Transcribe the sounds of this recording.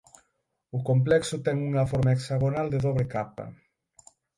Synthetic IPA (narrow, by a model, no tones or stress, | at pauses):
ʊkomplɛksʊt̪ɛŋuŋɐfɔɾmaeksaɣ̞onald̪eðoβɾekapɐ̰